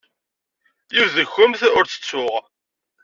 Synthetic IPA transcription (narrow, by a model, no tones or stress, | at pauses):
jivðəxʊmθʊɾt͡sːə̥t͡sːʊʁ